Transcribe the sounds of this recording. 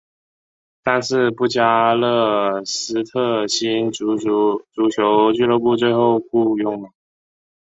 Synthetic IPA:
t̪a˥˧nʂɻ̩˥˧pu˥˩t͡ɕja˥lɤ˥˩sɹ̩˥t̪ʰɤ˥˩ɕi˥nu˧˥˧ʈ͡ʂu˧˥t͡ɕʰjo˧˥ʊt͡ɕy˥˧lo˥˧ʊpu˥˧t͡swe˥˧ɪxo˥˧ʊku˥˧jʊ˥˩ŋma˩

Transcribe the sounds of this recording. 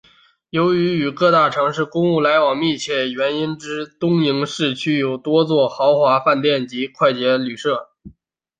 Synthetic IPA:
jo˧˥ʊy˧˥y˨˩kɤ˥˧t̪a˥˩ʈ͡ʂʰɤ˧˥ŋʂɻ̩˥˩kʊ˥ŋu˥˩la˧˥ɪwɑ˨˩ŋmi˥˧t͡ɕʰjɛ˥˩jɥɛ˧˥ni˥nʈ͡ʂɻ̩˥t̪ʊ˥ŋi˧˥ŋʂɻ̩˥˩t͡ɕʰy˥jo˨˩ʊt̪wɔ˥t͡swɔ˥˩xɑ˧˥ʊxwa˧˥fa˥˧nt̪jɛ˥˩nt͡ɕi˧˥kʰwa˥˩ɪt͡ɕjɛ˧˥ly˨˩ʂɤ˥˩

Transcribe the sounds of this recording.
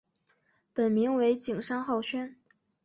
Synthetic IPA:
pə˨˩nmi˧˥ŋwe˧˥ɪt͡ɕi˨˩ŋʂɑ˥ŋxɑ˥˩ʊɕɥɛ˥n

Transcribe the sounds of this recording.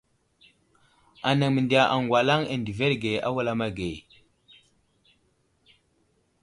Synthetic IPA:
a˨na˨ŋmə˨ndi˨a˨ʔa˨ŋɡʷwa˨la˦ŋe˨ndi˨ve˦ɾɡe˨a̰˦wa˦la˦ma˦ɡe˨

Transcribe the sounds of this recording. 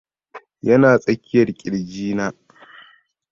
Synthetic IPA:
jɐ˦naː˨sʼɐ˦kʲʰːɪ˦jɐ˨rkʲʼɪ˨ld͡ʒiː˦naː˦

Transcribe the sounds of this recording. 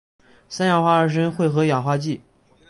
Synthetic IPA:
sa˥nja˥˨˩xwa˥ə˞˨˩ʂ̬ə˥nxwe˥˩ɪxɤ˧˥ja˨˩xwa˥t͡ɕi˥˩

